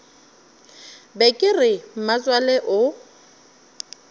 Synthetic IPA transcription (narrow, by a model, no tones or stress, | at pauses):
bɛkʼɪrɪm̩mat͡sʼwaleʔʊ